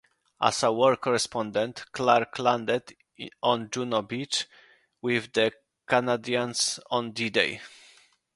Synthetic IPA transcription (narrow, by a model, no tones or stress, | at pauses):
ʔa̰sawɔɹkʰɔɹɛspʰɔ̃nd̪ɛ̃nt̪klaɾklãnd̪ɛd̪ | ɔ̃nd͡ʒunɔbit͡ʃ | wɪvd̪ɛ | kanad̪iãnsɔ̃nd̪id̪ḛj